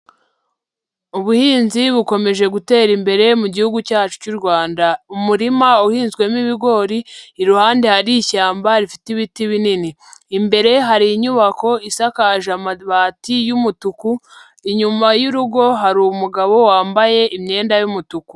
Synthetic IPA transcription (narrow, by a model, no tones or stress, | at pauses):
uβuhiːnziβuko̞me̞ʒe̞ɡute̞ːɾimbe̞ɾe̞muɟihuɡucaːt͡ʃu̥cuɾɡwaːndaumuɾimauhiːnzɡwe̞miβiɡo̞ɾiːɾuhaːndehaɾiçaːmbaɾifitiβitiβininiː | mbe̞ɾe̞ɦaɾiːɲuβako̞isakaʒamaβatijumutuku | iɲumajuɾuɡo̞ɦaɾumuɡaβo̞waːmbaje̞ʔimɲe̞ːndajumutuku̥